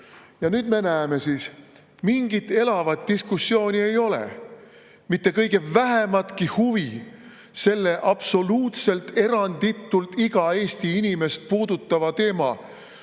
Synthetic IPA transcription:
jɑnyːd̪̥me̞næeme̞siːs | miŋɡ̥it̪ːe̞lɑvɑt̪̚d̥̪iskusːjo̞ːnʲie̞jo̞lḛ | mit̪ːe̞kɤjɡ̥e̞væɦemɑt̪kihuvi | se̞lːe̞ʔɑb̥so̞luːt̪se̞lt̪e̞ɾɑnd̪̥it̪ːˑult̪iɡ̥ɑe̞ːst̪iinime̞st̪̚puːd̪ut̪ˑːɑvɑt̪e̞ːmɑ

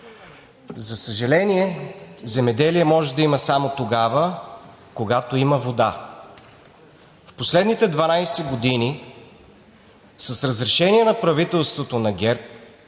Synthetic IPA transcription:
zɐsəʒɐlɛniɛzɛmɛd̪ɛliɛmɔʒɛd̪ɐiməsamot̪oɡavə | koɡat̪oiməvod̪a̰ | fposlɛd̪nit̪ɛd̪vɐnajsɛɡod̪ini | sɐsɾɐzɾɛʃɛniɛnɐpɾɐvit̪ɛlˠst̪vot̪onɐɡʲɛɾp̚

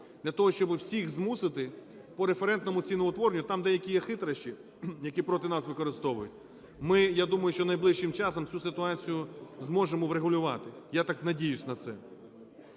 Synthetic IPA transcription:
d̪lʲɐt̪ɔɦɔʃt͡ʃɔbɪwsʲixzmusɪt̪ɪ | pɔɾefeɾɛnt̪nɔmʊt͡sʲinɔʋɔt̪ʋɔɾnʲʊt̪ɑmd̪ɛjɐkʲijɛxɪt̪ɾɐʃt͡ʃi | jɐkʲipɾɔt̪ɪnɑsʋɪkɔɾɪst̪ɔʋʊjʊtʲ | mɪjad̪umɐjʊʃt͡ʃɔnɐjblˠɪʃʃːɪmt͡ʃɑsɔmt͡sʲusɪt̪ʊɑt͡sʲijʊzmɔʒemɔʋɾeɦʊlʲʊʋɑ̰t̪ɪjat̪ɑknɐdʲijʊsʲnɐt̪sɛ

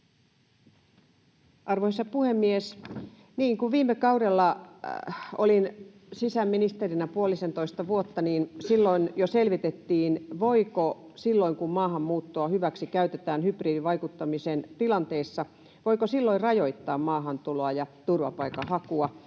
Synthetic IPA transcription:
ʔɑrʋohisɑpuhemːies | niːŋkuʋʋiːmːekɑuɾelːɑ | o̰lin | sisæmːinist̪erinæpuolisent̪oist̪ɑʋuot̪ːɑniːnsilːoinjoselʋit̪et̪ːiːnʋoikosilːoiŋkummɑːhɑmmuːt̪ːoɑhyʋæksikæyt̪et̪æːnhypriːdiʋɑikut̪ːɑmisent̪ilɑnt̪eːsːɑ | ʋoikosilːoirrɑjoit̪ːɑːmmɑːɦɑnt̪uloɑjɑt̪urʋɑpɑikɑhɑkuɑ

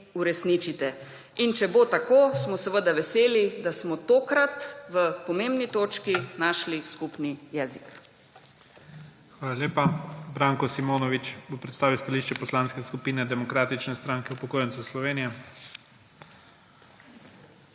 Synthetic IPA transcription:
uɾɛsnit͡ʃit̪ɛ | int͡ʃɛbot̪akoːsmɔsəʋəd̪aʋɛseːlid̪asmɔt̪oːkɾat̪ʋəpɔmeːmbnit̪oːt͡ʃkinaʃliskupnijɛːzik | xʋaːlaljeːpabɾaːŋkɔsimoːnɔʋit͡ʃbopɾɛt̪st̪aːʋiwst̪aliːʃt͡ʃɛpɔslaːnskɛskupiːnɛd̪ɛmɔkɾaːt̪it͡ʃnɛst̪ɾaːŋkɛwpɔkoːjɛntsuslɔʋeːnijɛ

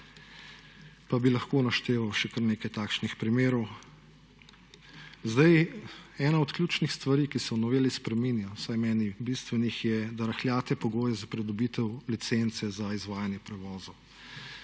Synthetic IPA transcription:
pabilɐxkoːnaʃt̪eːʋawʃɛkəɾneːkajt̪aːkʃnixpɾimeːɾɔw | zd̪ajɛːnaɔt̪klʲjuːt͡ʃnixst̪ʋaɾiːkisɛɔnɔʋeːlispɾɛminjawsajmɛːnibist̪ʋɛnixjɛd̪aɾaxljaːt̪ɛpɔɡoːjɛzapɾɛd̪ɔbiːt̪ɛwlit̪sent̪sɛzaizʋaːjanjɛpɾɛʋɔːzo

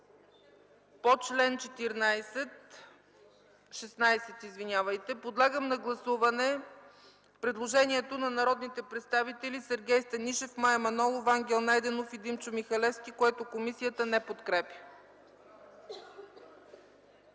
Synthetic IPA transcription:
pot͡ʃlɛnt͡ʃɛt̪iɾnajsɛt̪ | ʃɛsnajsɛt̪izvinʲjavəjt̪ɛpod̪lˠaɡəmnɐɡlˠɐsuvɐnɛ | pɾɛd̪lˠoʒɛniɛt̪onɐnɐɾɔd̪nit̪ɛpɾɛt̪st̪avit̪ɛlisɛɾɡʲɛjst̪ɐniʃɛfmajɐmɐnɔlˠovaŋɡʲɛlˠnajd̪ɛnofid̪imt͡ʃʊmixɐlɛfskʲikoɛt̪okomisijət̪ənɛpot̪kɾɛpʲjə̥

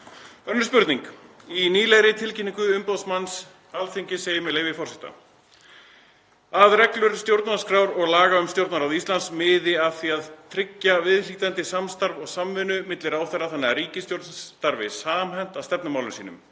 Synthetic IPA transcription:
œnːʏspʏɾt̪niŋkiniːlɛɣɾɪt̪ʰɪlcɪnːiŋkʏʏmpawsmans | alθiɲcɪseːjɪmɛleːjvɪfɔr̥sɛht̪a̰ | aðɾɛklʏɾ̥st̪jowɾt̪naɾ̥skɾawɾɔɣlaːɣaʏmst̪jowɾt̪naɾaðist̪ansmɪːðɪaðθiːaðt̪ʰɾɪcːavɪðr̥it̪ant̪ɪsamst̪aɾvɔɣsamvɪnʏmɪt̪lɪɾawθɛraθanːɪaɾiːcɪst̪jowɾt̪nt̪aɾvɪsaːmhɛn̥t̪aðst̪ɛpnʏmawlʏmsiːnʏ̰m

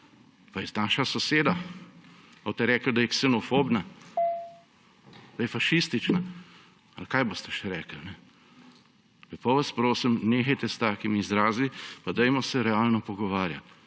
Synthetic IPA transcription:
pajɛznaːʃasɔseːd̪a | at̪ɛɾɛːkəld̪ajɛksɛnɔfoːbna | d̪ajɛfaʃist̪it͡ʃna | alkaːjboːst̪ɛ̥ʃɛɾɛːkəlnɛ | kɛpɔʋaspɾoːsimneːxɐjt̪ɛst̪aːkimːzɾaːzipad̪ɛjmɔsɛɾɛaːlnɔpɔɡɔʋaːɾja̰t̪

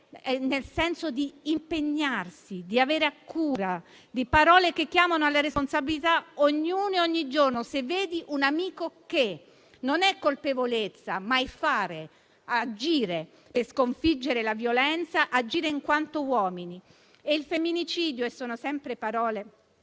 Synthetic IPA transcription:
ɛnelsɛnsod̪iːmpeɲːarsid̪iaveːɾeakːuːɾa | d̪ipaɾɔːlekekːjaːmanoalːaɾesponsabilit̪aoɲːuːneoɲːid͡ʒornosevːeːd̪iʔunamiːkoke | nonɛkːolpevolet̪sːa̰majfaːɾe | ad͡ʒiːɾe | perskoɱfid͡ʒːeɾelavjolɛnt̪saʔad͡ʒiːɾeiŋkwant̪owɔːmini | eilfemːinit͡ʃiːd̪joesːoːnosɛmpɾepaɾɔːle

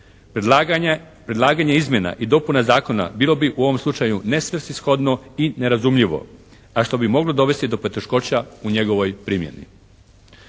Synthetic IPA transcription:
pɾed̪lˠaːɡaɲaizmje̞na̰ʔid̪o̞punazaːko̞na̰biːlo̞biʔuo̞ʋo̞mslut͡ʃajune̞sʋrsisxo̞d̪noine̞ɾazumʎiʋo̞̰ | aʃt̪o̞bimo̞ɡlo̞d̪o̞ʋe̞st̪id̪o̞po̞t̪e̞ʃko̞t͡ɕauɲe̞ɡo̞ʋo̞jpɾiːmje̞̰nḭ

